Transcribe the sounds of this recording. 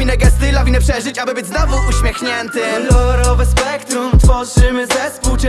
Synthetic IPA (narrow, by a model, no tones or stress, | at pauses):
inɛɡɛst̪ɪlɔvʲinɛpʂɛʐɘt͡ɕabɘbɘd͡ʑznɔvuʔuɕmʲjɛxɲɛnt̪ɪlɔɾɔvɛspɛkt̪ɾumt̪fɔʐɘmɘzɛpuwt͡ʂ